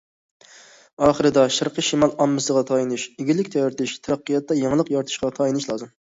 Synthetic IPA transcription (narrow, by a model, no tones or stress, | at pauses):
ɑːχəɾɨd̪ɑʃɑɾqʰəʃimɑlˠɑmːɨsəʁɑt̪ʰɑjinuʃɪɡʲilːɪkʲt̪ʰɛjɾt̪ʰɪʃt̪ʰɛɾæqːijɑt̪ːɑjɑŋlˠəqjɑɾt̪ʰɨ̥ʃqɑt̪ʰɑjinuʃlˠɑːzɨm